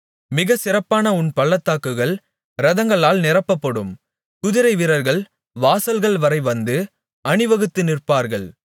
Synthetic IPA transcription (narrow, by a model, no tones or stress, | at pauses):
mɪɣɐsɪɾɐpːaːnɐʊnpɐɭːɐt̪ːaːkːɯɣɐɭ | ɾɐðɐŋɡɐɭaːlnɪɾɐpːɐpːɐɽɯm | kʊðɪɾɐɪʋɪɾɐɾɣɐɭ | ʋaːsɐlɣɐɭʋɐɾɐɪʋɐnd̪ɯ | ɐɳɯʋɐɣɯt̪ːɯnɪrpaːɾɣɐɭ